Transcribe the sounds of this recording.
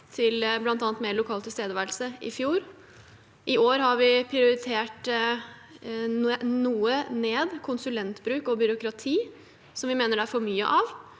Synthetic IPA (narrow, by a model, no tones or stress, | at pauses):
t̪ʰɪlblɑnt̪ɑːnət̪meːlʊkʰɑːlt̪ʰɪlst̪eːd̪əʋælsəʔɪ̰fjuːɾ | ʔɪʔoːɾɦɑɾʋɪpʰɾɪʊɾɪt̪ʰeːʈ | nuːəneːd̪kʰʊnsʉlɛnt̪bɾʉːkɔbʏɾʊkɾɑt̪ʰiː | sɔmʋɪmeːnəɖɛæɾfɔɾmyːə̰ʔɑʋ